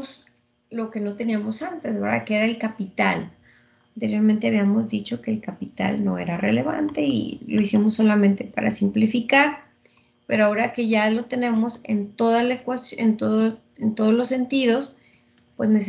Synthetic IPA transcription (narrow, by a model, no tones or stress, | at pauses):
s | lo̞ke̞no̞t̪e̞niamo̞sant̪ezeβeɾða̰keeɾaelkapit̪al | ant̪e̞ɾjo̞ɾmẽnt̪e̞aβiamo̞zðit͡ʃo̞ke̞ːlkapit̪a̰lno̞̰e̞̰ɾare̞̰le̞βa̰nt̪e̞ḭlo̞isimo̞sːo̞lamẽnt̪e̞pa̰ɾa̰simplifikaɾ | pe̞ɾoao̞ɾake̞ʝalo̞t̪e̞ne̞mo̞sḛnt̪o̞ðalaekwasjḛnt̪oðo | ent̪o̞ðo̞zlo̞sːe̞nt̪iðo̞s | pwe̞zne̞s